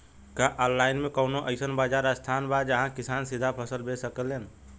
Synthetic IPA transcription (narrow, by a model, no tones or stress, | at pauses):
kaʔɔlːaːɪnmẽkəʊnoʔəɪsənbaːd͡ʒaːɾəst̪ʰanbad͡ʒəɦãkɪsaːnsid̪ʱapʰəsəlbesəkəlːen